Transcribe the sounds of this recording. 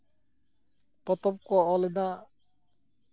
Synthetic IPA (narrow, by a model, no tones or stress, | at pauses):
pɔt̪ɔp̚kɔːled̪a